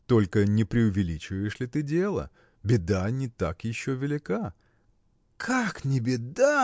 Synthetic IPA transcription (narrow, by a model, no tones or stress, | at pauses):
t̪o̞lʲkənʲɪpɾʲɪʊvʲɪlʲit͡ɕɪvəjɪʂlʲɪt̪ɨdʲelˠə̰ | bʲɪd̪anʲɪt̪a̰kjɪɕːovʲɪlʲɪka | kʰaknʲɪbʲɪd̪a